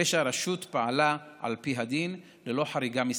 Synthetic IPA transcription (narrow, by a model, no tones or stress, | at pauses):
eʃaɾaʃutpaalaʔa̰lpiɦad̪in | lelo̞ħaɾiɡamis